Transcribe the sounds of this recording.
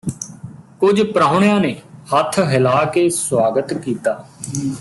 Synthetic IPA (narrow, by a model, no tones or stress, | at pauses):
kʊd͡ʒpɾaːʊɳ̃jãːneːhət̪ʰɦɪlaːkeːswaːɡət̪kiːt̪aː